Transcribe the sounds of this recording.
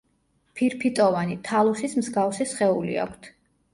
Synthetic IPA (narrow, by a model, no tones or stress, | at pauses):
pʰiɾpʰit̪ʼɔvanit̪ʰalˠuχismzɡavsisχɛulḭa̰kʷʰt̪ʰ